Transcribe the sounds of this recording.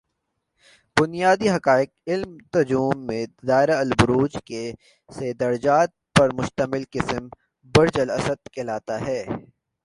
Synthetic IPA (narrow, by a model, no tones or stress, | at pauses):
bʊnijaːd̪iɦɐkaːɪk̚ɪlmt̪ɐd͡ʒuːmːẽd̪aːɪɾaɐlbʊɾuːd͡ʒke | sed̪ɐɾd͡ʒaːt̪̚pɐɾmʊʃt̪əmɪlqɪsm | bɐɾd͡ʒəlɐsəd̪kʰelaːt̪aɦɛː